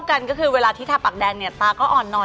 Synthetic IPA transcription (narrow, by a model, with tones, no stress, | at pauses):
ka˧nkɔː˥˩kʰɯː˧weː˧laː˧t̪ʰiː˥˩t̪ʰaː˧pa˨˩k̚dɛː˧ŋni˥˩ɐt̪aː˧kɔː˥˩ʔɔː˨˩nːɔ˨˩